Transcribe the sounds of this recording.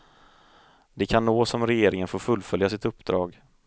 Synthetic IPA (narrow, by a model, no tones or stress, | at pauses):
d̪ɛkʰanːoːsɔmɾɛjeːɾɪŋənfoːɾfɵlːfœljasɪt̪ɵpːd̪ɾɑ̰ːɡ